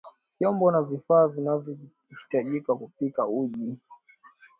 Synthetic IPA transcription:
vjɔmbɔnavifaːvinavjɔ | hi̥taʄikakupikauʄi

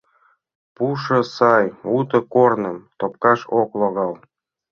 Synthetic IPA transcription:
puʃɤ̆sɑjut̪ɤ̆kornɤ̆mt̪op̚kɑʃoklˠoɣɑlˠ

